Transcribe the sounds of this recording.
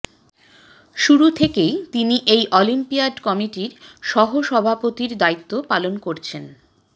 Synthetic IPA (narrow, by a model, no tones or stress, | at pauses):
ʃuɾut̪ʰekejt̪iniʔejʔɔlimpiaɖkɔmiʈiɾʃɔɦoʃɔbʱapot̪iɾd̪ait̪ːopalonkoɾt͡ɕʰen